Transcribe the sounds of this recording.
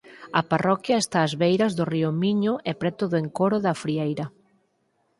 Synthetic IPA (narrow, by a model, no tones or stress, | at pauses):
ɐparɔkjɐest̪aːzβejɾɐzðʊriʊmiɲʊʔɛpɾɛt̪ʊðʊeŋkoɾʊðɐfɾiejɾɐ